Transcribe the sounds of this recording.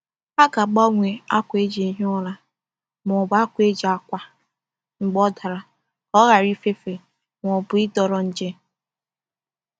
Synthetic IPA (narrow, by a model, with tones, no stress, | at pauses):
a˦ka˨ɡ͡ba˦ŋʷe˨a˦kʷe˦d͡ʒe˨ɦi˦ɔ˦la˦ | m˨ɔ˨ba˦kʷe˦d͡ʒi˨a˨kʷa˦ | ŋ͡m̩˨ɡ͡bɔ˦da˨ɾa˨ | ɔ˦ɣa˨ɾi˦fe˦fe˨ | m˨ɔ˨bʊ˨ɪ˦dɔ˨ɾɔ˨n̩˦d͡ʒe˦